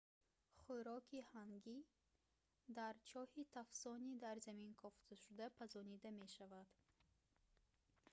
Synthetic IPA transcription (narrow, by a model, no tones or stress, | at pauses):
χuɾɔkʰihaŋɡi | d̪aɾt͡ʃʰɔhit̪ʰafsɔnid̪aɾzaminkʰɔft̪ʰaʃud̪apʰazɔnid̪ame̞ʃavad̪̥